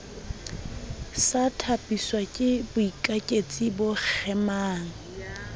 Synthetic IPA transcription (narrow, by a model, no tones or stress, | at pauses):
satʰapʼiswakʼɪbʊikʼakʼet͡sʼibʊk͡xʰɛmaːŋ̩